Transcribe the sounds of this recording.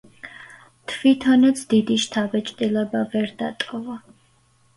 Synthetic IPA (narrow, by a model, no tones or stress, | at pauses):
t̪ʰvit̪ʰɔnat̪sʰd̪id̪iʃt̪ʰavɛt͡ʃʼt̪ʼilɛbavɛɾd̪a̰t̪ʼɔva